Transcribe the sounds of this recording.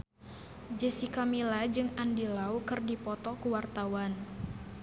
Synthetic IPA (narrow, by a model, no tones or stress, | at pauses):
d͡ʒəsikamilad͡ʒɨŋandilaukɨrdipɔt̪ɔkuwart̪awan